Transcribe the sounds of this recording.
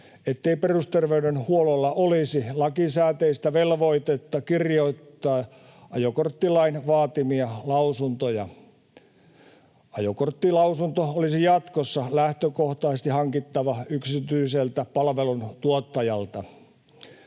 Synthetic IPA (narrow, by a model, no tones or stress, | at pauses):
et̪ːeiperust̪erʋeydenhuololːɑʔolisilɑkisæːt̪eist̪æʋelʋoit̪et̪ːɑkirjoit̪ːɑː | ʔɑjokort̪ːilɑinʋɑːt̪imiɑlɑusunt̪ojɑ | ɑjokort̪ːilɑusunt̪oolisijɑt̪kosːɑlæht̪økoht̪ɑːsest̪ihɑŋkit̪ːɑʋɑyksit̪yiselt̪æpɑlʋelunt̪uot̪ːɑjɑlt̪ɑ